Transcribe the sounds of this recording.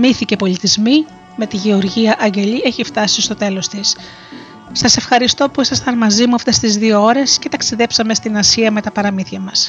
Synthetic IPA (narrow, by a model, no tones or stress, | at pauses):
miθice̞po̞lit̪izmi | me̞t̪iʝeo̞ɾʝiɐʔɐɲɟe̞ʎieçift̪ɐsist̪o̞t̪e̞lo̞st̪is | sɐse̞fxɐɾist̪o̞puisɐst̪ɐnmɐzimuɐft̪e̞st̪izðio̞o̞ɾe̞sce̞t̪ɐksiðe̞psɐme̞st̪inɐsiɐme̞t̪ɐpɐɾɐmiθʝɐmɐs